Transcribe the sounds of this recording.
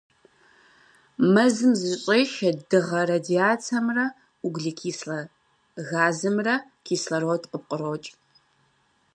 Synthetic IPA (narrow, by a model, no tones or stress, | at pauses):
mɐzɨmzɨʒɕʼeːʃɐdɨʁɐrɐdiaːt͡sʰɐmrɐ | uɡʷɮikʰiːsɐ | ɣaːzɨmrɐkʰiːsɬɐroːdʼqəp̚qʼəroːt͡ʃʼ